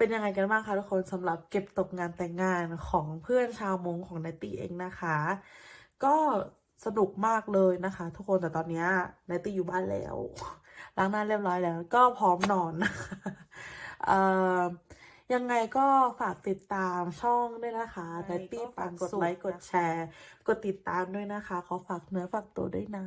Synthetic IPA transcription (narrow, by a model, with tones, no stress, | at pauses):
pe˧nja˧ŋːa˧jka˧nbaː˥˩kʰa˧˥˩t̪u˦˥kʰo˧nsa˩˦mɾa˨˩p̚ke˨˩p̚t̪o˨˩p̚ŋaː˧nt̪ɛː˨˩ŋːaː˧nkʰɔː˩˦ŋpʰɯ˥˩ənt͡ɕʰaː˧wmo˧ŋkʰɔː˩˦ŋna˧˥t̪iː˥˩ʔḛː˧ŋna˦˥kʰa˦˥ | kɔː˥˩ | sa˧nu˨˩k̚maː˥˩k̚lɤː˧jna˦˥kʰa˦˥t̪ʰu˦˥k̚ʰːo˧nt̪ɛː˨˩t̪ɔː˧nːi˦˥ɐnaː˧˦˥t̪iː˥˩juː˨˩baː˥˩nlɛ̰ː˦˥w | la˨˦˥ŋnaː˥˩nli˥˩p̚lɔː˦˥jlɛː˨˦˥wkɔː˥˩pʰɔː˦˥mnɔː˧nːa˦˥xʰa˦˥˦ʔɤː˨˩ | ja˧ŋːa˧jkɔː˥˩faː˨˩k̚t̪i˨˩t̪ːaː˧mt͡ɕʰɔ˥˩ŋdu˥˩əjna˦˥xa˦˥na˧˥t̪iː˥˩pa˧nko˨˩t̪la˦˥jko˨˩t̪̚t͡ɕʰɛː˧ko˨˩t̪ːi˨˩t̪ːaː˧mdu˥˩əjna˦˥kʰa˦˥kʰa˨˦˥wfaː˨˩k̚nɯ˦˥ɐfaː˨˩k̚t̪u˧ɐdu˥˩ə˨jna˦˥